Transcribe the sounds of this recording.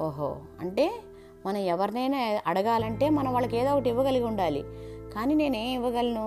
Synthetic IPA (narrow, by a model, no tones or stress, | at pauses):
oːɦo̰ː | ɐ̰ɳʈe̞ː | mɐnɐmɛʋɐɾinɐjnaʔɐɽɐɡaːlɐɳʈe̞ːmɐnɐmʋaːɭːɐke̞ːd̪oːkɐʈiʋːɐɡɐlɐɡʲuɳɖaːlḭkaːniːne̞ːneːmiʋːɐɡɐlɐnu